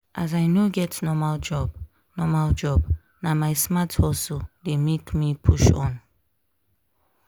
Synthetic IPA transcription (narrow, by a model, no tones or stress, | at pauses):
ʔazajnoɡɛtnɔmald͡ʒɔb̥ | nɔmald͡ʒɔb | namajsmathɔsodemekmipʰuʃɔ̰̃n